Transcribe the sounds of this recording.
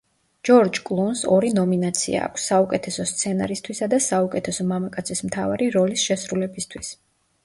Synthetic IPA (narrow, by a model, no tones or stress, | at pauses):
d͡ʒɔɾd͡ʒkʼlˠunsɔɾinɔminat̪sʰḭa̰ːkʷʰsːaukʼɛt̪ʰɛsɔst̪sʰɛna̰ɾist̪ʰwisad̪asaukʼɛt̪ʰɛsɔmamakʼat̪sʰismt̪ʰavaɾiɾɔlisʃɛsɾulɛbist̪ʰwis